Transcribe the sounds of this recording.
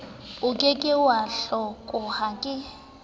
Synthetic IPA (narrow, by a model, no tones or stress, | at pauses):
ʊkʼekʼɪwaɬɔkʼʊhakʼɪ